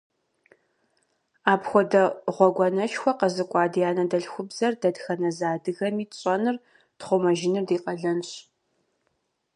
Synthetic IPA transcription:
aːpxʷɔdɐʁʷɔɡʷɔnɐʃxʷɔqɐzɨkʷʼɑːdijaːnɐdɐɮxʷʊbzɐrdɐdxɐnɐzaːdɨɣɐmiːɕʼɐnɨr | tχʷʊmɐʒɪnɨrdiːqʼɐɮɐnɕ

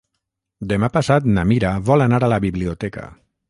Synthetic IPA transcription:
d̪emapasat̪namiɾaβolanaɾalaβiβliot̪eka̰

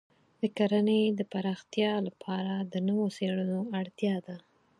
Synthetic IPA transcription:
d̪̥əkaɾanəjd̪əpaɾɑxt̪jɑlapʰɑɾad̪ənəwoseɽənoaɽt̪jɑd̪a

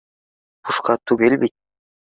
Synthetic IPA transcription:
qʰuʃqɑt̪ʉɡelbit̪̚

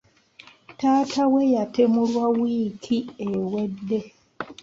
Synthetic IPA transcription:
taːtawejatemulwawiːkʰiewe̞dːe̞

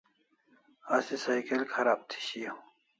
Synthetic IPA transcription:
asisajkelkʰɐɾaːb̚t̪ʰi̥ɕijo

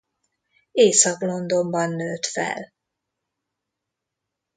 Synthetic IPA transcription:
eːsɒklo̞nd̪o̞mbɒnːøːt̪fɛ̰l

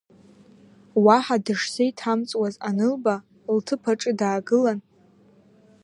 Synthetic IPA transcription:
waħadɨʂsajitʰamt͡sʼwazanɨlba | ltʰɨpʰaʈ͡ʂʼɨdaːɡɨlan

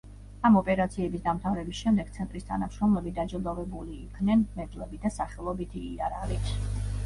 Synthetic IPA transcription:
amɔpʼɛɾat̪sʰiɛbisd̪amt̪ʰavɾɛbisʃɛmd̪ɛɡ̥̚t̪sʰɛnt̪ʼɾist̪ʰa̰namʃɾɔmlɛbid̪ad͡ʒɛd̪ɔvɛbuliːkʰvnɛnmɛd̪lɛbid̪asaχɛlˠɔbit̪ʰiːaɾaɾips

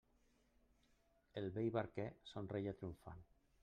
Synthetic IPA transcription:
elβejβaɾkɛsonrejat̪ɾiuɱfa̰n

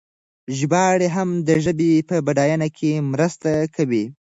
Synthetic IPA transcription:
ʒbɑɽeɦamd̪əʒəbepəbaɖɑjanakʰemɾəst̪akawi

